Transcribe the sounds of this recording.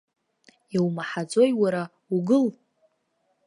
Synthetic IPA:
iwmaħad͡zo̞jwaɾa | uɡɨl

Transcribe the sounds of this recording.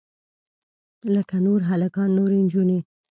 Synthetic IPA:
ləkanoɾɦalakɑnːoɾend͡ʒune

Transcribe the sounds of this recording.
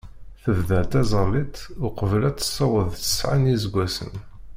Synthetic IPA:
θəvðæt̪æzˤɑlit̪ʊqəvlæt͡sːə̥sˤːɑwəðˤtə̥sʕanizɡʷːæsə̰n

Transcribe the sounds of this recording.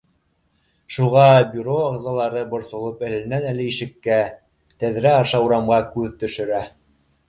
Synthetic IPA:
ʃuʁɑbʲuɾoɑʁzɑlˠɑɾɤbŏɾsŏlˠɤpælɘ̆nænælɘiʃɘ̆kːæ | t̪æðɾæɑɾʃɑuɾɑmʁɑkʉðt̪ɵ̆ʃɘ̆ɾæ

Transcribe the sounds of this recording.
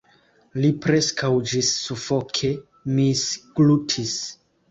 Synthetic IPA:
lipɾe̞skʰawd͡ʒisːufokʰe̞ | misɡlutʰis

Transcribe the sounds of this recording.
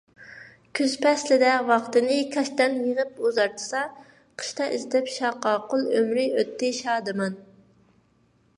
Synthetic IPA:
kʲʰøzpʰɛslɪd̪ɛwɑχt̪ɨnɨkʲʰɛʃt̪ɛnjeʁəp̚uzɑɾt̪ʰɨ̥sɑ | qʰə̥ʃt̪ɑʔizt̪ʰɪpʃɑqːɑːqʊlˠømɾɪøt̪ʰːɪʃɑːd̪ɨmɑn

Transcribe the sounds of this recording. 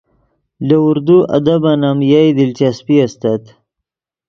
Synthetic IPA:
ləʊɾd̪uʔa̰d̪abanamjajd̪ɪlt͡ʃaspiast̪at̪

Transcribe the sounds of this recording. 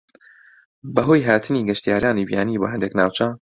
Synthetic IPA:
bɐɦoːjɦaːt̪ʰɨniːɡɛʃt̪ijaːɾaːniːbjaːniːbo̰ːɦɛnd̪eknaːwt͡ʃɐ

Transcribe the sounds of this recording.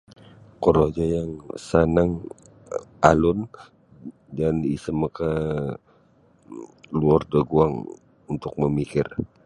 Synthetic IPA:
koɾod͡ʒajaŋsanaŋ | alʊn | danisəməka | luardəɡuaŋ | unt̪ʊk̚məmikɪr

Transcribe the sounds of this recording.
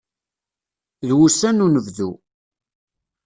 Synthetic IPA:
ðwusænunəvðu

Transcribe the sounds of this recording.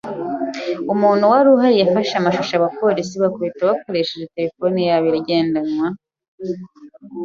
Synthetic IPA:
umuːn̤̥huwaɾuɦaɾijafaʃamaʃuʃaaβapo̞ɾisiβakoβitawako̞ɾeʃeʒete̞ɾefo̞nijaβiɾɟe̞ːndanwa

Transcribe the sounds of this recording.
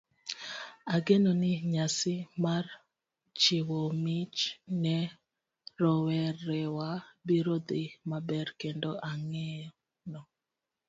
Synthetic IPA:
aɡenɔnɪɲasɪmar | t͡ʃiwomit͡ʃnɛ | ɾɔwɛɾɛwabiɾod̪ɪmabɛɾkɛndɔʔaŋɛ | nɔ

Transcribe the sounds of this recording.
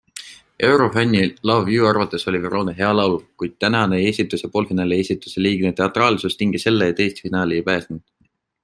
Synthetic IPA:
e̞wɾo̞fænʲːilɑvjuːɑrvɑt̪ːˑe̞so̞lʲiviɾo̞ːneɦe̞ɑlɑwlkujd̪̥̚t̪ænɑneeːsʲit̪ːˑusepo̞ːlfinɑːlie̞ːsʲit̪ˑu̥seliːɡ̥net̪e̞ɑt̪ːˑrɑːlsust̪iŋɡ̥ise̞lːejt̪e̞jst̪finɑːliejpæːsnud̪̥

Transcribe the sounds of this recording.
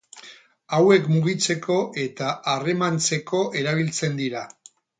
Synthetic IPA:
awe̞kmuɣ̞it͡se̞kʰo̞ʔe̞t̪aare̞mant͡se̞ko̞ʔe̞ɾaβ̞ilt͡se̞nd̪iɾa

